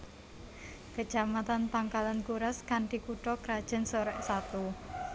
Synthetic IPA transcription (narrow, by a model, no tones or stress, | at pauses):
kət͡ʃamat̪ant̪aŋkalankuɾaskanɖi̤kuʈɔkɾad̥ʒ̥a̤nsoɾɛʔsat̪u